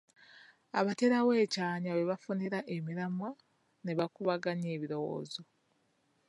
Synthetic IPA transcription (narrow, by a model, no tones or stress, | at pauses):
aβate̞ɾawe̞ːcaːɲaβe̞βafuneɾaʔemiɾamwa | ne̞βakuβaɡaɲeːβiɾo̞wo̞̰ːzo̞